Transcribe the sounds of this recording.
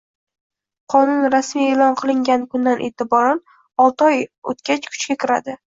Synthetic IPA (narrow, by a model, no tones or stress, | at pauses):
qʰɒnʊnɾasmije̞lɒnqʰɨlˠɪŋɡʲankʰʊnd̪anʔet̪ɪbɒɾan | ɒlˠt̪ɒjot̪kʲat͡ʃkʰʊ̥t͡ʃkʲakʲʰɪɾa̰d̪ɪ